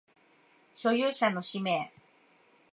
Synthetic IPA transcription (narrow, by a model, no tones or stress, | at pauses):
ɕo̞jɯːɕano̞ɕimeː